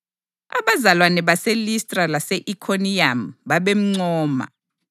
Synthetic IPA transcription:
a̰βazalwanɛβaselistʼralaseʔikʰoniamɓaβem̩ŋ͡ǀɔːma̰

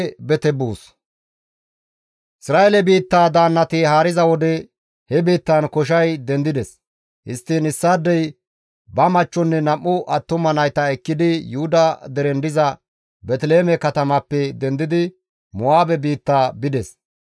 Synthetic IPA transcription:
bɛt̪ɛbuːs | ʔɪsɾaːʔɛlɛbiːt̪ːaːd̪aːnːɐt̪ɪhaːɾɪzɐwɔd̪ɛ | hɛbiːt̪ːɐnkɔʃ̬ɐjd̪ɛnd̪ɪd̪ɛs | hɪst̪ːɪnɪsːaːd̪ːɛj | bɐmɐt͡ʃːɔnːɛnɐmːʊʔɐt̪ːʊmɐnɐjt̪ɐɛkːɪd̪ɪjʊhʊd̪ɐd̪ɛɾɛnd̪ɪzɐ | bɛt̪leːmɛkɐt̪ɐmɐpːɛd̪ɛnd̪ɪd̪ɪ | mɔaːbɛbiːt̪ːaːbɪd̪ɛs

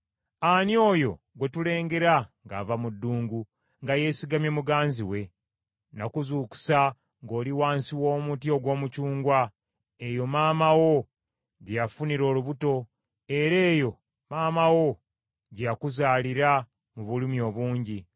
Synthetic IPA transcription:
anjo̞ːjo̞ | ɡwe̞tule̞ːŋɡe̞ɾaŋɡaːvamudːuːŋɡu | ŋɡaje̞ːsiɡamje̞muɡaːnziwe̞ | nakuzuːku̥sa | ŋɡo̞ːliwaːnsiwo̞ːmutio̞ɡwo̞ːmucuːŋɡwa | ejo̞maːmawo̞ | ɟejafuniɾo̞ːluβuto̞ | e̞ɾe̞ːjo̞ | maːmawo̞ | ɟejakuzaːliɾa | muβulimio̞ːβuːɲɟi

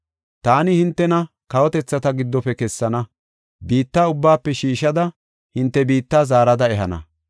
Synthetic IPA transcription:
t̪aːnɪhɪnt̪ːɛnɐ | kɐwɔt̪ɛt͡sːɐt̪ɐɡɪd̪ːɔpɛkɛsːɐnɐ | biːt̪ːaːʊbːaːpːɛʃiːʃɐd̪ɐ | hɪnt̪ːɛbiːt̪ːaːzaːɾɐd̪ɐɛɦɐnɐ̰

